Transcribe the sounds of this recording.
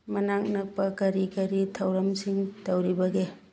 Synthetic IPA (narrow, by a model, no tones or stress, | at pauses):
mɐnaŋ̚nɐk̚pɐkɐɾikɐɾitʰɐwɾɐmsiŋtɐwɾibɐɡe